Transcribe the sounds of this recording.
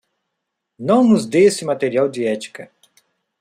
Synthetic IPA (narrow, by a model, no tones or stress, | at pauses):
nɐ̃w̃nʊzd̪esɪmat̪eɾiawd̪iɛt͡ʃ̪i̥kɐ